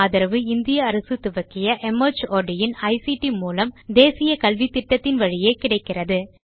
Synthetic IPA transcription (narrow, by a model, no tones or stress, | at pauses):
aːðɐɾɐʋɯɪnd̪ɪjɐːɾɐsɯt̪ʊʋɐkːɪjɐʔɛmɐɾd͡ʒoːɾɖɪjɪnɐɪsiʈimuːlɐmd̪eːsɪjɐkɐlʋit̪ːɪʈːɐt̪ːɪnʋɐɻɪjeːkɪɽɐɪkːɪrɐðɯ